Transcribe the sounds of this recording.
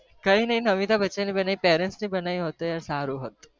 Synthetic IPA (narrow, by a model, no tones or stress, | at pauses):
kəinəɦinəʋit̪abəːt͡ʃanibənaipeɾensnibənajɦot̪ːəjaɾsaɾuɦət̪